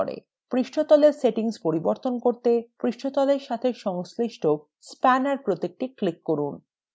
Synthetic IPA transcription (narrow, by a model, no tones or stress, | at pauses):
ɾḛ | pɾiʃʈʰot̪ɔleɾseʈiŋspoɾiboɾt̪onkoɾt̪epɾiʃʈʰot̪ɔleɾʃat̪ʰeʃɔŋsliʃʈʰo | spænaɾpɾot̪ek̚ʈiklikːoɾun